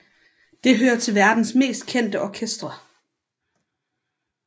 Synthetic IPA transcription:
d̥e̝ɦøːɐt͡sʰe̝lʋæɐd̥n̩sme̝̰ːsd̥̚kʰen̰d̥əʔɒkʰesd̥ʁɐ

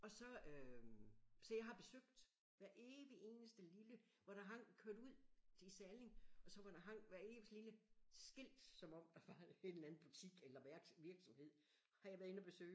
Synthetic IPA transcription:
ɒ̽sɒ̽ø | sɒ̽jɑ̈ɦɑ̈b̥e̝søɡ̥̚d̥ | ʋæɐʔeːʋie̝ːnəsd̥əlilə | ʋɑɾ̥ɑ̈ɦɑ̈ŋ̰kʰøɐd̥uð̰ˠisæle̝ŋʔɒ̽sɒ̽ʋɑɾɑɦɑŋ̰ʋæɐe̝ːʋisliləsɡ̥el̰d̥sɒ̽mɒ̽m̰d̥ɑ̈ʋɑ̈ed̥læn̩ˠb̥ut͡sʰiɡ̥elɐɡ̥ʋiɐɡ̥sɒ̽mhe̝ð̰ˠ | hɑ̈jɑ̈ʋæɐe̝nɐb̥e̝sø̰ːɪ

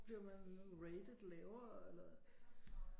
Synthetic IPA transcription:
b̥liɐmænʁed̥əðˠlɛʊɐelɐ

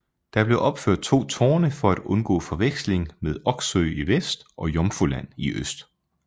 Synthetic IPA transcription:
d̥ɑ̈b̥le̝ʔɒ̽b̥føɐ̰d̥̚t͡sʰo̝̰ːt͡sʰo̝ːnəfɒ̽æd̥ɔ̽nɡ̥ɔ̰̽ːfɒ̽ʋeɡ̥sle̝ŋmeð̞ˠɒ̽ɡ̥søɪiʋesd̥ʔɒ̽jɒ̽mfulæn̰iʔøsd̥

